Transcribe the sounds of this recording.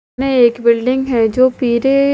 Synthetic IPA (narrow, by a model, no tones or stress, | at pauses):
neeːkbɪlɖɪ̃ŋɡɦɛd͡ʒoːpiːɾe